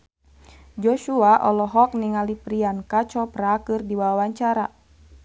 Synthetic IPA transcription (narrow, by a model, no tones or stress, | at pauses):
d͡ʒɔʃuaʔɔlɔɦɔk̚niŋalipɾiankat͡ʃɔpɾakɨrdiwawawaɲt͡ʃaɾa̰